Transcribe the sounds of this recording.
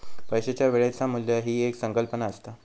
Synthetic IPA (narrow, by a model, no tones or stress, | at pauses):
pəjɕet͡ɕjaʋeɭat͡samulːjəɦiːeksəŋkəlpənaəst̪a